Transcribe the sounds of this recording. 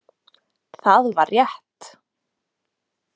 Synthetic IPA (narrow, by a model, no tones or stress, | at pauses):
θaðvaɾjɛht̪